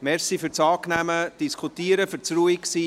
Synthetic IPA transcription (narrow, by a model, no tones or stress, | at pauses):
mɛɾsifyɾt͡sɑːknæməd̥iskʰutiːəɾəfʏɾt͡sruiksiː